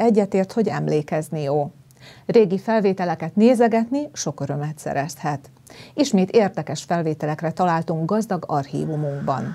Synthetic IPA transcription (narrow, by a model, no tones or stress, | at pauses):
ɛɟːɛt̪eːrt̪ho̞ɟɛmleːkɛznijoː | reːɡifɛlveːt̪ɛlɛkɛt̪neːzɛɡɛt̪niʃo̞køɾø̞mɛt̪sɛ̰ɾɛshɛt̪ | iʃmeːt̪eːrd̪ɛkɛʃfɛlveːt̪ɛlɛkrɛt̪ɒlaːlt̪uŋɡ̚ɡɒzd̪ɒɡɒrhḭːvumuŋɡbɒ̰n